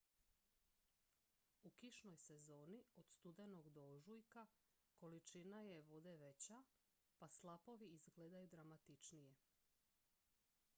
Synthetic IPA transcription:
ukiʃno̞jse̞zo̞ːniod̪̥st̪ud̪enoɡd̪oʒujka | ko̞lit͡ʃinaje̞ʋo̞d̪eʋe̞t͡ɕa | paslˠapo̞ʋiizɡleːd̪ajud̪ɾamat̪it͡ʃnije

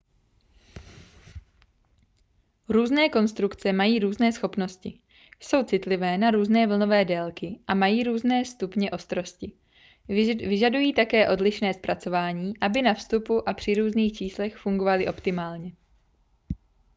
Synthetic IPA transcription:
ɾuːznɛːko̞nst̪ɾukt͡sɛmajiːɾuːznɛːsxo̞pno̞scɪ | so̞wt͡sɪt̪lɪvɛːnaɾuːznɛːvl̩no̞vɛːdɛlkɪʔamajiːɾuːznɛːst̪upɲɛʔo̞st̪ɾo̞scɪ | vɪʒadujiːt̪akɛːʔo̞dlɪʃnɛːspɾat͡so̞vaːɲiːʔabɪnafst̪upuʔapr̝̥ɪɾuːzniːxt͡ʃiːslɛxfuŋɡo̞valɪʔo̞pt̪ɪmaːlɲɛ

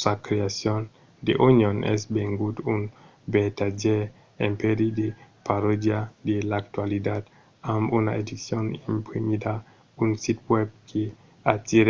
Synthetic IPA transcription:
sakɾeasjon | d̪ḛʔunjonʔɛ̰sbeŋɡut̪un | bet̪ad͡ʒe | empeɾid̪epaɾod̪jad̪elak̚t̪walid̪at̪ | amuna̰ed̪isjonimpɾimid̪a | unsit̪wɛb̚kʰe | at̪iɾ

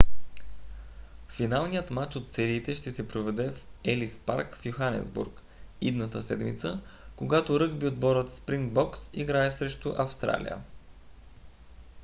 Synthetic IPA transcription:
finalˠnijət̪mat͡ʃot̪sɛɾiːt̪ɛʃt̪ɛsɛpɾovɛd̪ɛfɛlispa̰ɾkfjuxanɛ̰zbṵɾk | id̪nət̪əsɛ̰d̪mḭt̪səkoɡat̪oɾɤɡbiod̪̚bɔɾət̪spɾiŋɡ̚bɔksḭɡɾaɛsɾɛʃt̪oʔɐfst̪ɾa̰lḭjə̰

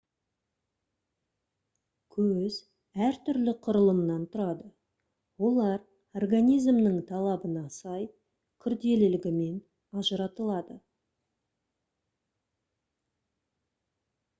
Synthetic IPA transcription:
kʲʰɵz | æɾt̪ʰʏɾlɪqʰʊɾəlˠəmnɑnt̪ʰʊɾɑd̪ə | wo̞lˠɑɾ | orɡanʲijzmnəŋt̪ʰɑlˠɑbənɑsɑj | kʲʰʏɾd̪e̞lɪlɪɡʲɪme̞n | ɑʒəɾɑt̪əlˠɑd̪ə

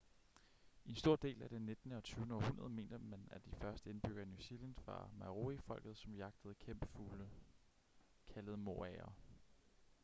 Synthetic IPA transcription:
ʔe̝nsd̥o̝ɐ̰d̥e̝̰ːlæd̥enːe̝d̥nəɒ̽t͡sʰyːʊnəɒ̽hunɐð̞ˠme̝̰ːnd̥əmænæd̥ifɶɐsd̥əe̝nb̥yɡ̥ɐnjusilænd̥fɑ̈mɑʁo̝ifɒ̽l̰ɡ̥ð̞̩ˠsɒ̽mjɑ̈ɡ̥̚d̥əð̩ˠkʰemb̥əful | kʰæləð̞̩ˠmo̝̰æɐ

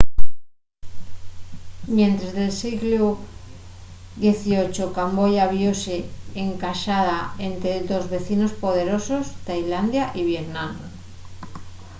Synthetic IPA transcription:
mjẽnt̪ɾezðelsiɣlu | ðje̞θiot͡ʃokambojaβjoseːŋkaʃaðaent̪ɾedozβe̞θinospoð̞e̞ɾosost̪ajland̪jaʔiβ̞jeðnan

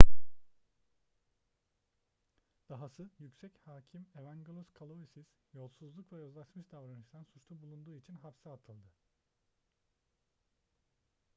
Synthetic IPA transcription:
d̪̥aɦasɯzjycʲsɛchaːcʰime̞væŋɡolˠuskʰalˠovisiz̥jo̞lˠsuzlˠukvɛjø̞zlˠaʃmɯʃd̪avɾanɯʃt̪ʰansut͡ʃlˠubulˠund̪uːit͡ʃʰinɦapsaat̪ʰɯlˠd̪ɯ

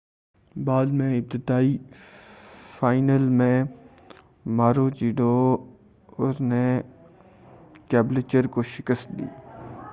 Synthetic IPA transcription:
baːd̪mẽɪb̚t̪ɪd̪aːiː | faːɪnəlmẽ | maːɾoːt͡ʃiːɖo | ɔɾne | kɛːblet͡ʃəɾkoʃɪkəst̪̚d̪ḭː

